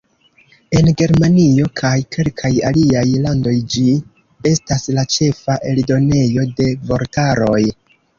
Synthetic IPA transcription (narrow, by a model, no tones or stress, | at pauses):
e̞nɡe̞ɾmanio̞kʰajke̞lkʰajaliajlando̞jd͡ʒi | e̞staslat͡ʃe̞faʔe̞ldo̞ne̞jo̞de̞vo̞ɾtaɾo̞j